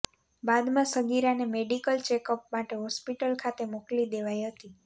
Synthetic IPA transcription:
bad̪mãsəɡiɾanemeɖikəlt͡ʃekəpmaʈeɦɔspiʈəlkʰat̪emoklid̪eʋajɦət̪i

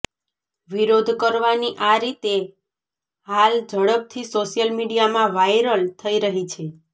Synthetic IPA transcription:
ʋiɾod̪ʱkəɾʋaniʔaɾit̪e | ɦald͡ʒʱəɽəp̚t̪ʰisoʃijəlmiɽijamãʋajɾəlt̪ʰəiɾəɦit͡ʃʰe

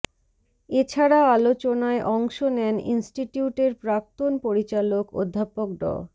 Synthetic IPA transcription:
et͡ɕʰaɾaalot͡ɕonaeʔɔŋʃonɛnḭnsʈiʈijuʈeɾpɾak̚t̪onpoɾit͡ɕaloko̰d̪ʱːapok̚ɖɔ̰

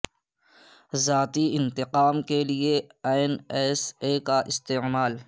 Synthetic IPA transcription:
zaːt̪iɪ̃nt̪ɪqaːmkelieaːɪnɛːseːkaʔɪst̪eːmaːl

